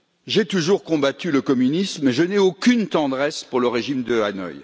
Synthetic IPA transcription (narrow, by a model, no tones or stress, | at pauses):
ʒet̪uʒuʁkɔ̃bat̪yləkɔmynismɛʒənɛokʲynt̪ɑ̃d̪ʁɛspuʁləʁeʒimd̪əanɔ̰j